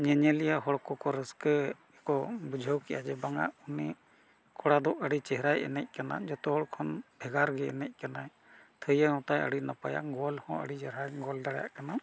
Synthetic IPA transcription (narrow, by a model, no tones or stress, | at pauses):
ɲɛɲɛlijaɦɔɽkɔkɔɾəskə | ɛkɔbud͡ʒʱəwkɛʔad͡ʒɛbaŋa̰ʔuni | kʰɔɽad̪ɔʔəɽit͡ʃɛɦɛɾajɛ̰nɛc̚ˀkana̰d͡ʒɔt̪ɔɦɔɽkʰɔnbʱɛɡaɾɡɛɛ̰nɛc̚ˀkanaj | t̪ʰəjəhɔ̃t̪ajə̰ɽinapaja̰ʔɡɔlhɔ̃ə̰ɽid͡ʒɛɾajɡɔld̪aɽja̰ʔkana